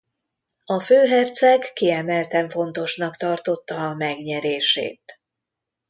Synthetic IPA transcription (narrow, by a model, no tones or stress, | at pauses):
ɒføːɦɛrt̪sɛkːiɛmɛlt̪ɛɱfo̞n̪t̪o̞ʃnɒkt̪ɒrt̪o̞t̪ːɒːmɛɡɲɛɾeːʃḛːt̪